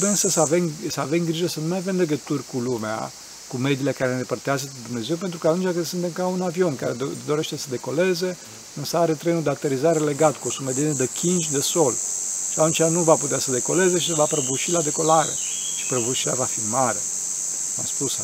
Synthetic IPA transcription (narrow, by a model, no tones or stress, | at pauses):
beɨnsəsəavemsəave̞mɡɾiʒəsənumajave̞mleɡət̪urʲkulumea̰ | kume̞d̪ile̞kaɾeenepərt̪eazət̪ed̪umne̞ze̞wp̬e̞nt̪ɾukəat̪unt͡ʃʲakəsɨnt̪e̞mkaunavio̞nka̰ɾed̪o̞ɾe̞ʃt̪esəd̪e̞ko̞le̞ze̞ | ɨnsəaɾe̞t̪ɾe̞nud̪eat̪eɾizaɾe̞le̞ɡat̪kuo̞sumed̪enəd̪ekʲind͡ʒʲd̪eso̞lʃiat̪unt͡ʃianuvaput̪easəd̪e̞ko̞le̞ze̞ʃisevapɾəbuʃilad̪e̞ko̞laɾḛ | ʃi̥pɾəbuʃilavafimaɾe̞ | kma̰spus